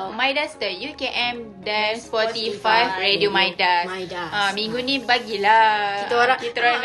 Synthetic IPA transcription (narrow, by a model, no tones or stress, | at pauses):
mãjdast̪əjukeʔɛ̃m | dɛnspɔtt̪ifajfɹediomajdasdaãmĩŋɡunĩbaɡilat̪oɾait̪ɾɔ